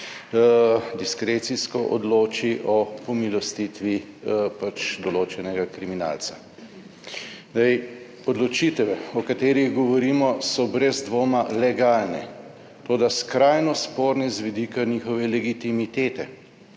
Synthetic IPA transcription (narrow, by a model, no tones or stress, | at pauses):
d̪iskɾet̪siskɔʔɔ̰d̪loːt͡ʃiʔɔpɔmilɔst̪it̪ʋi | pat͡ʃd̪ɔloːt͡ʃɛnɛɡakɾimina̰ːlsa | d̪ɛj | ɔd̪lɔt͡ʃit̪ɛʋɛɔkat̪eːɾiɣɡɔʋɔɾiːmɔsɔbɾɛzd̪ʋoːmalɛɡalnɛ | t̪oːd̪askɾajnɔspoːɾnɛzʋid̪ikaniːxɔʋɛlɛɡit̪imit̪eːt̪ɛ